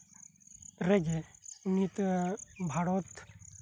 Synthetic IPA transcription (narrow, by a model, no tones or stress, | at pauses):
ɾeɡeunit̪bʱaɽot̪